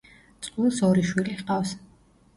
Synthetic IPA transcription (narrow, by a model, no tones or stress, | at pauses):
t̪sʼqʼwilˠsɔɾiʃwiliχqʼavs